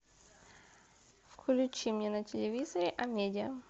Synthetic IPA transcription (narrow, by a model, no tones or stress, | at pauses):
fklʲʊt͡ɕimnʲenətʲɪlʲɪvʲizəɾʲɪʔɐmʲedʲɪə